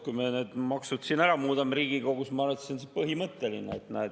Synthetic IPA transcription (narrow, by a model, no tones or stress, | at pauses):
kujmeneːd̪̥mɑksud̪sinæɾɑmuːd̪ɑmɾiːɡ̥iɡo̞ɡ̥usmɑɑɾet̪ːsonsepɤɦimɤt̪ːe̞linːeːt̪næ̰ː